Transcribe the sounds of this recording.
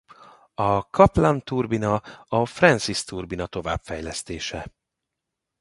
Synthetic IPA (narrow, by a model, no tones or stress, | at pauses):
ɒkɒplant̪urbinɒɒfrɛnsist̪urbinɒt̪o̞va̰ːbfɛjlɛst̪eːʃɛ